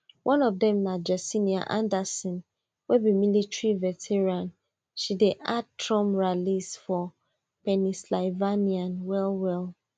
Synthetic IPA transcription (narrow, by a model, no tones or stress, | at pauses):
wʔɔ̃nɔvdɛ̃mnad͡ʒɛsiniã̰ʔã̰ndɛsɔ̃n | wɛbimilitɹivɛtʰɛɹãn | ʃideʔad̚tʰɹɔ̃mɹalisfɔ | pɛnislaɪvaniãnwɛlwɛl